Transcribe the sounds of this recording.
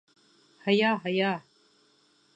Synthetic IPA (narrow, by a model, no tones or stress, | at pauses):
hajaːɦaja